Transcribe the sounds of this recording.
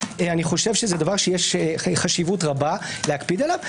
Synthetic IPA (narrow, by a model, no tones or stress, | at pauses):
eaniχo̞ʃe̞vʃezedavaʁʃejeʃχaʃivutʁabaleakpid̪alav